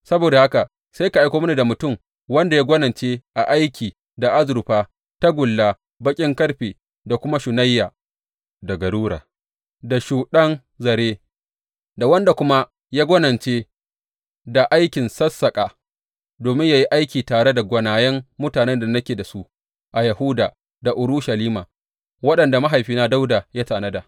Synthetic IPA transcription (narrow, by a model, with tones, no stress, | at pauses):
sɐ˦boː˨da˨ha˦ka˨ | sa˦jka˨ʔa˦jkʷoː˦m˦ni˨da˨mʊ˨tʊ˦˨m | wɐ˦nda˨ja˦ɡʷɔ˦nɐ˨t͡ʃeː˦ʔa˨ʔa˦jkʲiː˨ | da˨ʔa˦zʊ˨ɾʊ˨ɸaː˦ | ta˦ɡʷʊ˨lːaː˦ | bɐ˦kʲʼɪ˦ŋkɐ˦ɽɸeː˨ | da˨kʷʊ˦ma˦ʃʊ˨nɐ˦jːaː˨ | da˨ɡɐ˨ɽuː˦ɽa̰ː˨ | da˨ʃuː˨ɗɐ˦n | zɐ˨ɾeː˦ | da˨wɐ˦nda˨kʷʊ˦ma˦ | jaː˦ɡʷɔ˦nɐ˨nt͡ʃeː˦ | da˨ʔa˦jkʲɪ˨nsɐ˦sːɐ˨kʼaː˨ | doː˨mɪ˦ɲja˨ji˦ʔa˦jkʲiː˨taː˨ɽe˦da˨ɡʷɐ˨naː˨jɛ˦mːʊ˦taː˨nɛ˦nda˨nɐ˦kʲeː˨da˨su˦ʔ | ʔa˨jɐ˨hʊ˦daː˨ | da˨ʔʊ˨ɾʊ˦ʃɐ˨liː˦maː˨ | wɐ˦ɗɐ˨nda˨ma˦ɦa˨jɸiː˦naː˦da˦wdaː˨ja˦taː˨nɐ˦da˨